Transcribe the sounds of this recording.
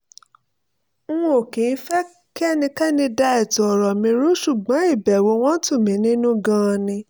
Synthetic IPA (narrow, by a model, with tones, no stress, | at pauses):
wɔ̃˦o˨kĩ˨˦n̩˦fɛ˦ | ki˦ɛ˦˨nĩ˧kɛ˦nĩ˧da˧ɛ˨tɔ˨ɔ˨ɾɔ˨mĩ˧ɾu˦ʃu˦˨ɡ͡bɔ̃˨˦i˦˨bɛ˨wo˧˦w̃ɔ̃˦tũ˦˨mĩ˨˦nĩ˦nũ˦ɡã˦˧nĩ˧